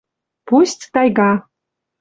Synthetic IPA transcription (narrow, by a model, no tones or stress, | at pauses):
pusʲtʲt̪ɑjɣɑ